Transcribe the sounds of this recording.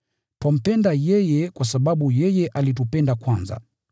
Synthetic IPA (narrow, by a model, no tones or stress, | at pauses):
twam̩pɛndajɛjɛkwasaɓaɓujɛjɛʔalit̬upɛndakwanza̰